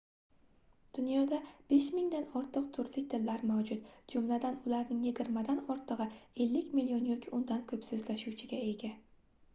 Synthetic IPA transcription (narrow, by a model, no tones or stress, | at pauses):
d̪̥ʊnjɒd̪ab̥e̞ʃmɪŋd̪anɒɾt̪ʰɨq̚t̪ʰʊɾlɪk̚ʲt̪ʰɪlːaɾmawd͡ʒʊt̪d͡ʒʊmlad̪anʊlaɾnɪŋjɪɡʲɪɾmad̪anɒɾt̪ʰɨʁɨe̞lːɪkʲmilijonjɒkʲʰɪʊnd̪ankʰɵpsɵzlaʃuwt͡ʃʰɪɡʲaeɡʲa